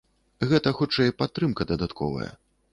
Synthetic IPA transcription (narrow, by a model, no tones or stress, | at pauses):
ɣɛt̪ɐxut͡ʂɛjpat̪ːɾɨmkɐd̪ɐd̪at̪kʰɔ̰vɐ̰jɐ̰